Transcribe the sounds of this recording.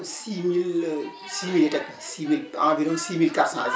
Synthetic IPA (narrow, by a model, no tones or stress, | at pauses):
simil | simileʈɐk | similãbiɾonsimilkasãz